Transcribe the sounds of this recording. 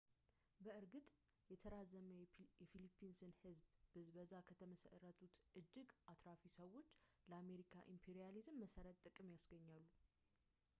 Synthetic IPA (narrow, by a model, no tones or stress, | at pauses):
bəɨɾɡɨt̪ʼ | jɛt̪ʰəɾazəməjɛfilipʰːinsɨnhɨzbbɨzbəzːakʰət̪ʰəməsə̰ɾət̪ʰut̪ʔɨd͡ʒːɪɡʔat̪ʰɾafisəwːo̞t͡ʃːləame̞ɾikʰa̰ʔimpʰeɾijalizɨmːəsəɾət̪ʼːɨkʼɨmjasɡəɲːalːu